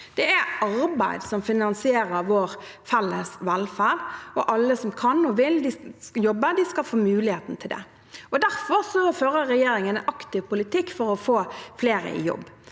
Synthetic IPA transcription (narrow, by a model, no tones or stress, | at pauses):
d̪̥ɛæɑɾbæɪd̪sɔmfɪnɑnsɪeːɾəɾʋoːɾ | fɛlːəsʋɛlfæɾɔʔɑlːəsɔmkʰɑnɔʋɪld̪ɪjɔbːəd̪ɪskɑfoːmʉːlɪheːt̪n̩t̪ʰɪld̪ɛ̰ | ɔd̪æʁfɔɾsɔføːɾəɾɛjeːɾɪŋənʔɑkt̪ɪʋpʊlɪt̪ɪkːfɔɾɔfoːfleːɾə̰ɪ̰jɔ̰bː